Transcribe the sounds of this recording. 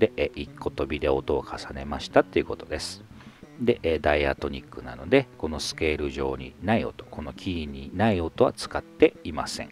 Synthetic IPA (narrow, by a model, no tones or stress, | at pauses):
d̪e̞ʔʔikːo̞t̪o̞bʲid̪e̞ot̪o̞ːkʰasane̞maɕi̥t̪at̪ːe̞iɯ̟ko̞t̪o̞d̪e̞sɨ̥ | d̪e̞ʔeːd̪aiat̪o̞ɲ̟ikːɯ̟na̰no̞d̪e̞ko̞no̞sɨ̥ke̞ːɾɯ̟ʑo̞ːɲ̟inaio̞̰t̪o̞̥ko̞no̞kʲʰiːɲ̟inaio̞t̪o̞βa̰t͡sɨ̥kat̪ːe̞imasẽ̞ŋ